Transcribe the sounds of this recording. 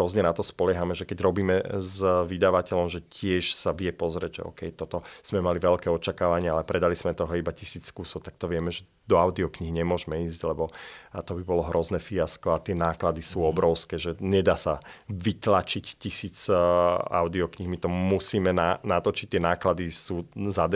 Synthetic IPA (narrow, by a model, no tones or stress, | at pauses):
ɾɔzɲɛnat̪ɔspɔlɛɦamɛʒɛkɛɟɾɔbiːmɛzʋid̪aʋacɛʎɔmʒɛcɪɛʃsaʋɪɛpɔzɾɛɟʒɛ̰ɔ̰ːkɛjt̪ɔt̪ɔz̥mɛmaliʋɛlkɛːɔt͡ʃakaːʋaɲɪɛalɛpɾɛd̪alizmɛt̪ɔɦɔibacisiːt͡sːkuːsɔʊt̪ak̚t̪ɔʋɪɛmɛʒɛ | d̪ɔaʊd̪iɔkɲiɦiɲɛmʊɔʒmɛiːzɟlɛbɔt̪ɔbibɔlɔɦɾʔɔznɛfiaskɔat̪ɪɛnaːklad̪isuːɔbɾɔʊskɛːʒɛɲɛd̪aːsaʋit̪lat͡ʃictisiːt͡s | a̰ʊd̪iɔkɲiɦmit̪ɔmusiːmɛnanat̪ɔt͡ʃi̥c̚t̪ːɪɛnaːklad̪isuːzad̪